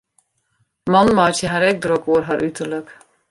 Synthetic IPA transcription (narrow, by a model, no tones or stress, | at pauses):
mɑnmɑːtəɦaːɾɛk̚d̪ɾɔkoːɾɦaːɾʔyt̪əɹlək